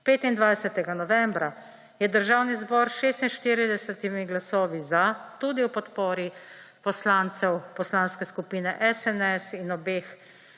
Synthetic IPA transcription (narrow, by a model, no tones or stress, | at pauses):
peːt̪ind̪ʋajsɛt̪ɛɡanɔʋɛmbɾa | jɛd̪əɾʒawnizbɔːɾsʃeːst̪inʃt̪iːɾid̪ɛsɛt̪imiɡlasɔːʋizat̪ud̪iwpɔt̪pɔːɾi | pɔslaːnt̪sɛwpɔslaːnskɛskupiːnɛʔɛsɛnɛsinɔbeːx